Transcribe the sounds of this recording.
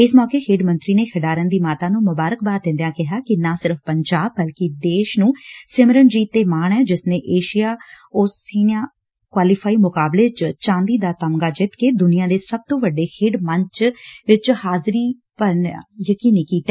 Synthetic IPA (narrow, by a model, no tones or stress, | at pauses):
ɪsmɔːkeːkʰɪːɖmə̃nt̪ɾiːneːkʰəɖaːɾənd̪iːmaːt̪aːnũːmʊbaːɾək̚baːt̪̚d̪ɪ̃nd̪ejaːkɪɦaːkɪnãːsɪɾəfpəɲd͡ʒaːb̚ːəlkɪd̪eːʃnũːsɪməɾənd͡ʒiːt̪ːeːmaːɳɛːd͡ʒɪsnẽːʔeːʃɪjaː | ʊsiːãː | kwaːliːpʰaːiːmʊkaːbleːt͡ʃt͡ʃãːnd̪iːd̪aːt̪əmɡaːd͡ʒɪt̪keːd̪ʊnijãːd̪eːsəb̚t̪õːʋəɖːeːkʰɪːɖməɲt͡ʃʋɪt͡ʃhaːzɾiː | pəɾnjəkiːniːkiːt̪ːɛː